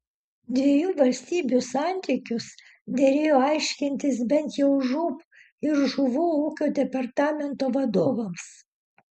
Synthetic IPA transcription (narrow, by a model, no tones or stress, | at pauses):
d̪ʲʋʲiɛjuːʋɐlʲsʲt̪ʲiːbʲusɑˑnʲt̪ʲiːkʲʊs | d̪ʲɛɾʲeːjoːɑɪʃʲkʲɪnʲt̪ʲɪs̬bʲɛnt̪jɛʊʒuːp | ɪɾʒʊʋuːuːkʲoːd̪ʲɛpɐɾt̪ɑːmʲɛnt̪oːʋɐd̪oːʋɐms